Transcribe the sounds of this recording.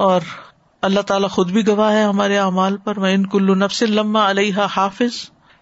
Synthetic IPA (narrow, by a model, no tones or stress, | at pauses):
ɔːɾ | ɐlːaɦt̪aːlaxʊd̪bʱiɡɐʋaːɦɛɦɐmaːɾeaːmaːlpɐɾʋɐɪnkʊlːʊnɐfsɪnlɐmːaɐlejɦaːhaːfɪz